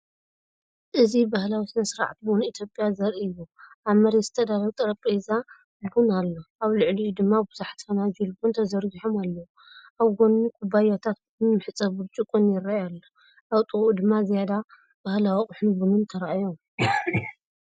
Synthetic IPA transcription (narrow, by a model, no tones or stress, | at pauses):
ʔɨzibahlawisɨnɐsɨɾa̰ʕt̪bunit̪ʰjo̞pʼːjazɐɾʔiɨjːuʔaβmɐɾezɨt̪ʰɐd̪alɐt̪ʼɐɾɐpʼeza | bunalːoaβlɨʕliud̪ɨmːabɨzaħt̪ʰfɐnad͡ʒulbunt̪ʰɐzɐɾɡiħomalːɐwu | ʔaβɡonːukʰubajat̪ʰat̪̚bɨmnmɨħɨt͡sʼɐβɨt͡ʃʼɨkʼunjɪrajalːo | ʔaβt̪ʼɨɣʔud̪ɨmːazijad̪a | b̥ahlawiχʼʊħnuɡumɨnt̪ʰɐɾaʔajom